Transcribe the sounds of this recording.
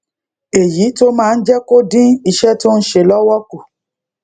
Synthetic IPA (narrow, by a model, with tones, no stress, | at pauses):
e˨ji˨˦to˦mãː˦˧n̩˦d͡ʒɛ˦ko˦dĩ˦i˧ʃɛ˦to˦n̩˦ʃe˧lɔ˦wɔ˦ku˨